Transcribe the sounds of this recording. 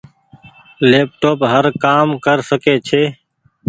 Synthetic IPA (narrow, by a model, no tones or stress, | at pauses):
leːp̚ʈoːpɦəɾkaːmkəɾsəkeːt͡ʃʰeː